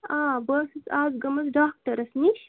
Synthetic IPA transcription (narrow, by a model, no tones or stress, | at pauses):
aːbəsɨzaːzɡɐmɐzdaːk̚tɐɾɐsniʃ